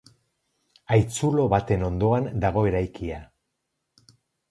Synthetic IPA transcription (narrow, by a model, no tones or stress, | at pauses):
ajt͡sulo̞βat̪e̞no̞nd̪o̞and̪aɣ̞o̞e̞ɾajkʰia